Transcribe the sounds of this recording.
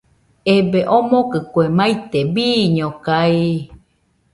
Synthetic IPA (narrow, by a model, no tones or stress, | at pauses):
ebeʔomokɨkwemait̪ebiːɲokai